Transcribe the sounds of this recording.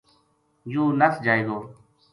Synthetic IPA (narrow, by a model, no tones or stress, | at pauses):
juːnəsd͡ʒaːiɡ̪oː